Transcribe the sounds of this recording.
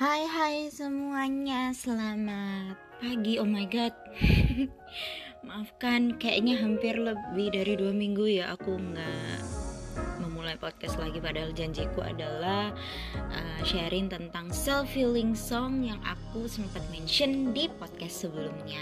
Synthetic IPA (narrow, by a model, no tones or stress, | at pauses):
hajɦajsəmuaɲasəlamat̪̚paɡiomajɡɔt̪̚ | maafkankaja̰ʔɲaɦampɪrləbɪhdaɾiduamiŋɡujaʔakuŋɡaʔ | məmulajpɔt̪̚kɛst̪laɡipadaɦald͡ʒaɲd͡ʒikua̰dalah | ʔəʃaɾɪŋt̪ənt̪aŋsɛlfilɪŋsɔŋjaŋʔa̰kusəmpat̪̚mɛnʃəndipɔt̪̚kast̪səbəlumɲa